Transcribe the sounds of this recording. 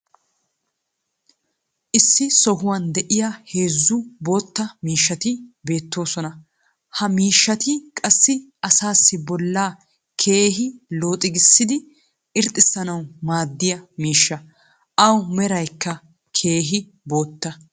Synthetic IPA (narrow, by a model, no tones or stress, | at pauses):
ʔɪsːɪsɔɦʊwɐnd̪ɛʔɪjahe̞ːzːʊbo̞ːt̪ːɐmiːʃːɐt̪ɪbe̞ːt̪ːo̞ːsɔnɐ | hɐmiːʃːɐt̪ɪkʼɐsːɪʔɐsaːsːɪbɔlːaː | kʰe̞ːɦɪlo̞ːt̪ʼɪɡɪsːɪd̪ɪ | ʔɪɾt̪ʼːɪsːɐnɐwmaːd̪ːɪjɐmiːʃːɐ | ʔɐwmɛɾɐjkːɐ | kʰe̞ːɦɪ | bo̞ːt̪ːɐ